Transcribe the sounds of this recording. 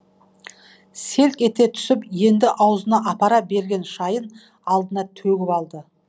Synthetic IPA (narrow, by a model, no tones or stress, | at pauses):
se̞lkʲe̞t̪e̞t̪ʰʏ̥sɪpje̞nd̪ɪʔɑwzənɑʔɑpɑɾɑbe̞ɾɡʲe̞nʃɑjən | ɑlˠd̪ənɑt̪ʰɵɡʲɪpɑlˠd̪ə